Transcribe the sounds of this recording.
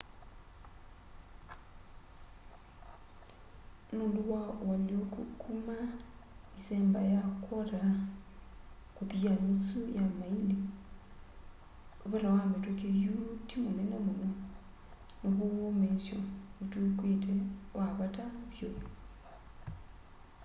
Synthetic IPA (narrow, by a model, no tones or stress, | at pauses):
noːnduwawaliokukʰumaiseːmbajakoɾa | kutianisujamaili | oβeɾawametwekejutimonenemono | noβowomensjoβutukwetʰewaβataβjo